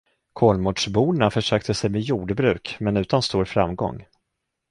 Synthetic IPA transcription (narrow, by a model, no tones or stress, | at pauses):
kʰoːlmuːɖʂbuːnafœʂøːkt̪əsɛjmejuːɖbɾʉ̟ːkmɛnʉ̟ːt̪anst̪uːɾfɾa̰mɡɔ̰ŋː